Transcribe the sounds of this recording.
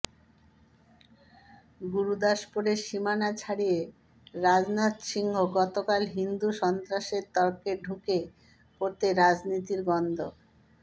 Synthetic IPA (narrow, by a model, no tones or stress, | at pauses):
ɡuɾud̪aʃpoɾeɾʃimanat͡ɕʰaɽije | ɾad͡ʑnat̪ʃiŋɡʱoɡɔt̪okalɦind̪uʃɔnt̪ɾaʃeɾt̪ɔɾkeɖʱuke | poɾt̪eɾad͡ʑnit̪iɾɡɔnd̪ʱo